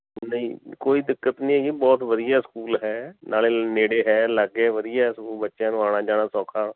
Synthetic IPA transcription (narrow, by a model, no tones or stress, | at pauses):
nəĩːkoːiːd̪ɪkːət̪nĩɦɛːkibɔːt̪ʋəd̪ɪjaːskuːlɦɛːnʔaːleːneːɽeːɦɛːlaːɡeʋəd̪ɪjaːskuːlbətːʃãːnũːaːɽ̃aːd͡ʒaːnaːsɔ̃ːkʰaː